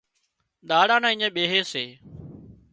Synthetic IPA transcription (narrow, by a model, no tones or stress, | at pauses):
ɗ̪aːɽãːnãːɪɲẽːɓeːɦeːseː